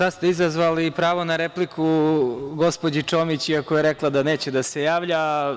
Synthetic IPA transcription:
sad̪st̪eizazʋalipɾaːʋo̞naɾeplikʰuɡo̞spod͡ʑit͡ʃo̞mit͡ɕiakojeɾeklˠad̪ane̞ːt͡ɕed̪asejaːʋʎa

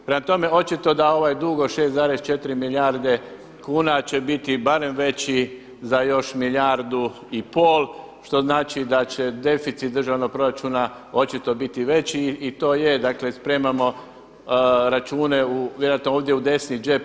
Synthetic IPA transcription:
pɾemat̪o̞me̞o̞t͡ʃit̪o̞d̪ao̞ʋajed̪uɡoʃe̞ːst̪zaːɾest͡ʃe̞t̪iɾimiljaɾd̪e̞ | kuːnat͡ɕe̞bit̪ibaɾe̞mʋe̞t͡ɕi | zajo̞ʃmiljaɾd̪u | ipoːlˠ | ʃt̪o̞znaːt͡ʃid̪at͡ɕe̞d̪e̞fit̪sit̪d̪ɾrʒaʋnoɡ̚pɾo̞ɾat͡ʃuna | o̞t͡ʃit̪o̞bit̪iʋe̞t͡ɕiːt̪o̞ːje̞d̪akle̞spɾe̞ːmamo̞ | ɾat͡ʃuːne̞uʋjeɾojat̪nooːʋd̪jeud̪e̞snid͡ʒep

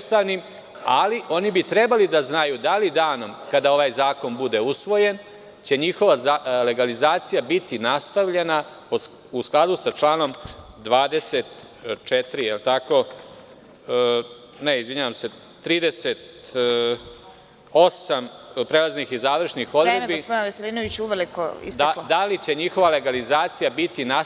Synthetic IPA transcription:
ust̪aʋnim | aliʔo̞nibit̪ɾebalid̪aznajud̪alid̪aːno̞mkad̪ao̞ʋaːjzaːko̞nbud̪e̞usʋo̞je̞n | t͡ɕe̞ɲixo̞ʋaale̞ɡalizaːt̪sijabit̪inast̪aʋʎe̞napo | usklˠad̪usat͡ʂlaːno̞md̪ʋaːd̪e̞set̪ | t͡ʂet̪ɾijelt̪ako̞ | neizʋiɲaʋamse̞ | t̪ɾiːd̪eset̪ | osampɾelˠaznixizaːʋr̩ʂnixo̞d̪ɾemebispod̪ɪnaʋeseliːnoʋit͡ɕuʋeliko̰ḭstd̪aod̪alit͡ɕe̞ɲixo̞ʋale̞ɡalizaːt̪sijabit̪ina

